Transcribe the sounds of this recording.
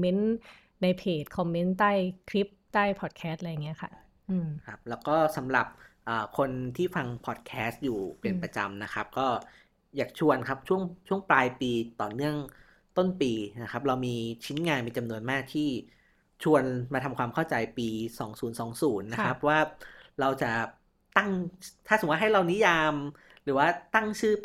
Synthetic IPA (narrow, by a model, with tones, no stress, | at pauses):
mːe˦˥nː | a˧jpʰeː˨˩t̪̚kʰɔ˧mːe˦˥nt̪aː˥˩jkʰɾi˦˥p̚t̪aː˥˩jpʰɔː˨˩t̪̚kʰɛː˦˥st̪̚la˧ja˨˩ŋːi˦˥ɐkʰa̰˥˩ | ʔɯː˧mkʰa˦˥p̚lɛː˦˥wkɔː˥˩sa˩˦mɾa˨˩p̚ʔəː˨˩kʰo˧nt̪ʰiː˥˩fa˧ŋpʰɔː˨˩t̪̚kʰɛː˦˥st̪̚juː˨˩pe˧npɾa˧t͡ɕa̰˧mna˦˥kʰa˦˥p̚kɔː˥˩ | jaː˨˩k̚t͡ɕʰu˧ənkʰa˦˥p̚t͡ɕʰu˥˩əŋt͡ɕʰu˥˩əŋplaː˧jpiː˧t̪ɔ̰ː˨˩nɯ˥˩əŋ | t̪o˥˩npiː˧na˦˥kʰa˦˥p̚ɾa˧wmiː˧t͡ɕʰi˦˥nŋaː˧npa˧t͡ɕa˧mnu˧ənmaː˥˩k̚t̪ʰiː˥˩ | t͡ɕʰu˧ənmaː˧t̪ʰa˧mkʰwaː˧mkʰa˥˩wt͡ɕa˧jpiː˧sɔː˩˦ŋsuː˩˦nsɔː˩˦ŋsuː˩˦nːa˦˥kʰɾa˦˥p̚waː˥˩ɾa˧wt͡ɕa˨˩ʔ | t̪a˥˩ŋt̪ʰa˥˩ɯ˨˩˦wa˥ɦa˥˩jɾa˧wni˦˥jaː˧m | ɾɯː˩˦waː˥˩t̪a˥˩ŋt͡ɕʰɯː˥˩